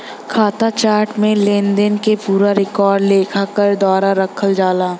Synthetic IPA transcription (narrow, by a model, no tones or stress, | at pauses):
kʰaːt̪at͡ʃaːɾʈmẽleːnd̪ənkepuːɾaɾɪkɔːɾɖleːkʰakəɾd̪ɔːɾaɾɐkʰəld͡ʒaːlaː